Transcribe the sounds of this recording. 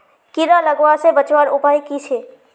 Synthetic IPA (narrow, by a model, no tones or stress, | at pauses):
kiɾaləɡasebət͡ʃwaɾʊpaːikit͡ʃʰeː